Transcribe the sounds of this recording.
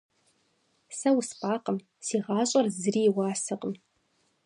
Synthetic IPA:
sɐwspʼaːqʼəm | siːʁɑːɕʼɐrzɨriːwɑːsɨqʼəm

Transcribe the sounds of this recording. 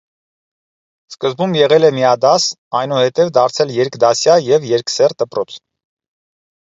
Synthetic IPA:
skəzbumjɛʁɛlɛmiɑd̪ɑs | ɑjnuhɛt̪ɛvd̪ɑɾt͡sʰɛljɛɾkd̪ɑsjɑjɛvjɛɾksɛrd̪əpɾɔt͡sʰ

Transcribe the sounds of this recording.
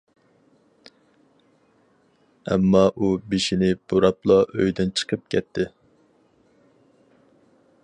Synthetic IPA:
ɛ̰mːɑʔubeʃinɪb̥uɾɑplˠɑʔø̰jd̪ɪnt͡ʃʰə̥qʰəp̚kʲʰɛt̪ʰːɪ

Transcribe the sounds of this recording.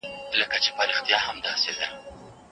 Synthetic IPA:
ləkat͡ʃepaɾixt̪jɑhamd̪ɑsed̪a

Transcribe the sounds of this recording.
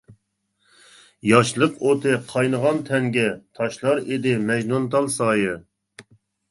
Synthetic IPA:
jɑʃlˠəqot̪ʰɨqʰɑjnəʁɑnt̪ʰɛŋɡʲɛt̪ʰɑʃlˠɑɾed̪ɪmɛʒnunt̪ʰɑlˠsɑːjɨ

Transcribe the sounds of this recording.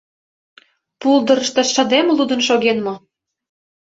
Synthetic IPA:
puld̪ɤ̆ɾə̆ʃt̪ɑʃɑ̆d̪emlud̪ə̆nʃoɣenmo

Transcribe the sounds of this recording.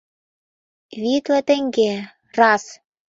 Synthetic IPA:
βit̪lə̆t̪ɘ̆ŋɡe | rɑs

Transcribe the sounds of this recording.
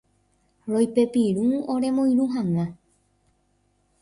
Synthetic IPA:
ɾojpe̞piɾuoɾe̞mõĩɾuɦãŋã

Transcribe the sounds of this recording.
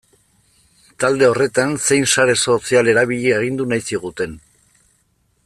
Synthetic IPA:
t̪ald̪e̞o̞re̞t̪anse̞jnsaɾe̞so̞siale̞ɾaβ̞iʎieɣ̞ind̪unajsiɣ̞ut̪e̞n

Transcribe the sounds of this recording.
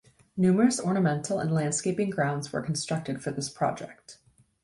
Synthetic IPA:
nʉmə˞ɨsɔɹnəmɛ̃ntʰˡl̩ˠə̰̃nlæ̃nd̥skeɪpɪ̃ŋɡɹãʊ̃ndzwə̰˞kʰn̩stɹ̥ʌk̚tɨd̥fə˞ðɪspʰɹ̥ɑ̰d͡ʒɛ̰k̚t

